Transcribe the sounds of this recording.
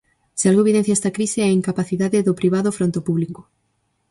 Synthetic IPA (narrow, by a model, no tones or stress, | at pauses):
sɪalɣoeβiðen̟θjaɛst̪akɾiseaiŋkapaθiðaðɪðʊpɾiβ̞aðofɾont̪opuβlikʊ̥